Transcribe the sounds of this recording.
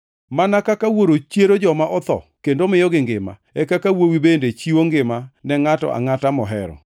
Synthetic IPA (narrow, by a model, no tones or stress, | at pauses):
manakakawoɾot͡ʃeɾod͡ʒɔmaʔɔt̪ɔ̰kendomɪjɔɡɪŋɡɪma̰ɛkakawowibendet͡ʃiwoŋɡɪmanɛŋatɔ̰ʔa̰ŋatamɔɦɛ̰ɾɔ̰